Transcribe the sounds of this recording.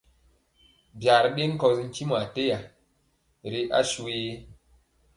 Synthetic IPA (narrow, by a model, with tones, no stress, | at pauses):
bja˨ɾɗe˦ŋ˦kɔ˧sŋ̩˦ki˦m˨a˨te˦ja˨ | ɾe˨ʔa̰˦su˨e˦